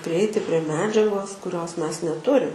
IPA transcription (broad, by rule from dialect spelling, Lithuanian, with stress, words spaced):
pʲrʲɪˈɛɪtʲɪ pʲrʲiɛ ˈmʲæːd͡ʒʲɛɡoːs kʊˈrʲoːs ˈmʲɛs nʲɛˈtʊrʲɪm